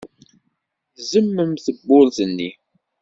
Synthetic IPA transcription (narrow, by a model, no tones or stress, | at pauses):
zəmːəmθəbːʊlθənːi